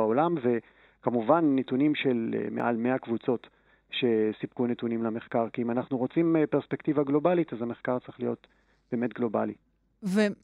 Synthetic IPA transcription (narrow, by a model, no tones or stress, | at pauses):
aolamve̞ | kamuvanːetunimʃe̞l̰meʔa̰lme̞akvut͡so̞t | ʃe̞sip̚kunetunimlameχkaʁkiimanaχnuʁo̞t͡simpeʁspektivaɡlo̞balitazhameχkaʁt͡sʁiχlijo̞t | b̥e̞ːme̞tɡlo̞ba̰li | ve